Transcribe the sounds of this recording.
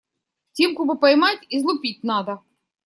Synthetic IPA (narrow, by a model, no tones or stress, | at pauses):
tʲemkubɨpɐjmatʲizlˠʊpʲit̚ʲnad̪ɐ